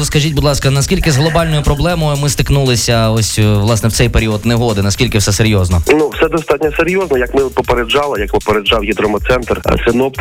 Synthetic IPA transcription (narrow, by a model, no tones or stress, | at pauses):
skɐʒʲitʲbud̪lˠɑskɐnɐskʲilʲkɪzɦlˠɔbɑlʲnɔjʊpɾɔblˠɛmɔjʊmɪst̪ɪknulˠɪsʲɐɔsʲʋlˠɑsnɛwt̪sɛjpeɾʲiɔdt̪neɦɔd̪ɪnɐskʲilʲkɪwsɛseɾʲjɔznɔnuwsɛd̪ɔst̪ɑtʲnʲɔseɾʲjɔznɔjɐkmɪpɔpeɾed͡ʒɑlˠɪjɐkpɔpeɾed͡ʒɑwjid̪ɾɔmɔt̪sɛnt̪r̰sɪnɔpt̪